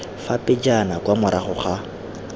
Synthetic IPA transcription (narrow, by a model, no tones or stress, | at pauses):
fapʼɪd͡ʒanakwamʊɾaχʊχa